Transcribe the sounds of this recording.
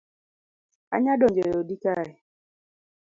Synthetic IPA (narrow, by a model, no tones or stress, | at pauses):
a̰ɲadɔɲd͡ʒeodikaɛ